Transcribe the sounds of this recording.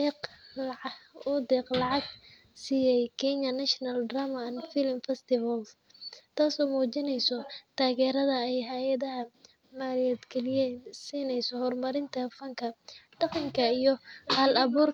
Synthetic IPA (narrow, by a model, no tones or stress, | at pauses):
ɛq | ʊd̪ɛːqlɑʕɑɡ | siːjɛjkʰɛɲɐnɐʃnɐld̪raːmɐnfɪlmfɛst̪ɪvɐl | t̪ʰaːsɔːmuːt͡ʃɪnɛjsɔt̪ʰaːɣɛːɾɐðɐɛjɦaːjɐðɐɦɐ | maːljɛd̪ɡʰɛlɪjɛːnsiːnɛjsɔhɔrmɐɾɪnt̪ʰɐfɐŋkʰɐɖ̥ɑqɑŋkʰɐijɞhɐlɐβuːr